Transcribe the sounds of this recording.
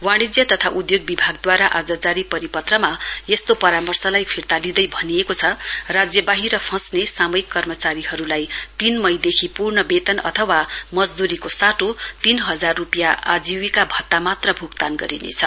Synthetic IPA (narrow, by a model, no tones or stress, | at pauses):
waɽ̃id͡zjʌt̪ʌt̪ʰaʔud̪joɡ̚bibʱaɡ̚d̪waɾaʔad͡zat͡saɾipʌɾipʌt̪rʌmajest̪opʌɾamʌrsʌlajpʰirt̪alid̪ʌjbʱʌniekot͡sʰʌrad͡zjʌbaɦiɾʌpʰʌ̃snesamʌjkːʌrmʌt͡saɾiɦʌɾulajt̪inmʌjd̪ekʰipurnʌbet̪ʌnʌ̰t̪ʰʌwamʌd͡zd̪uɾikosaʈot̪inɦʌd͡zarːupjaa̰d͡ziwikabʱʌt̪ːamat̪rʌbʱukt̪anɡʌ̰ɾinḛt͡sʰʌ